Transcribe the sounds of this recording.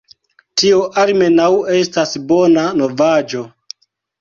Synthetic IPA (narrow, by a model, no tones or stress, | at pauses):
tioʔaɾme̞nawe̞stasbo̞nano̞vad͡ʒo̞